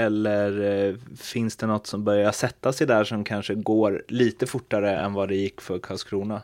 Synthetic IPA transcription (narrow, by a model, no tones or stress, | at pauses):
ɛlːəɾfɪnsd̪ɛnɔt̪ːsɔmbœɾjaʂɛt̪ːasɪd̪æːʂɔmkʰanʂəɡoːɾliːt̪əfʊʈːaɾəɛ̰nvad̪ɛjɪkːfœɾkʰɑlskʰɾuːna